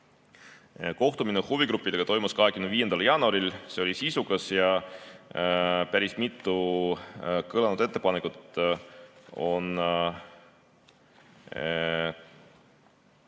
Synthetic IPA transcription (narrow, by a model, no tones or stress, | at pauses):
ko̞ht̪uminehuvikɾupːˑid̪̥eɡ̥ɑt̪o̞jmuskɑɦe̞kymnviːje̞nd̪ɑljɑːnuɑɾilse̞o̞lʲisisukɑsjɑ | pæɾismit̪ːˑu | kɤlɑnud̪̥e̞t̪ːˑe̞pɑnekˑut̪ˑ | o̞n